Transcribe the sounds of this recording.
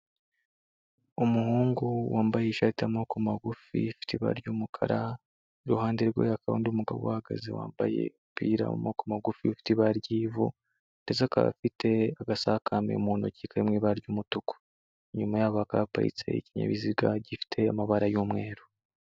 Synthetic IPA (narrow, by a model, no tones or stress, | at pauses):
umuhuːŋɡuwaːmbajeiʃatiamokomaɡufḭfi̥tiβa̰ɾɟumukʰa̰ɾa | iɾuhaːndeɾɡḛjakʰaɾo̰ːndiumuɡa̰βowahaɡa̰zḛwa̰ːmbajḛmpiːɾa̰ṵmokomaɡufiufi̥tiβaɾɟiːvṵ | nd̥ezaka̰fitʰe̞aɡasahakʰamḛumuːnocikaɾimŋiːβaaɾɟuːmutuko̥ | ɲumajaːβakaapa̰ḭt͡se̞̰iciɲa̰βiziɡaɟifi̥tʰe̞amaβaɾajuːmŋe̞ːɾu̥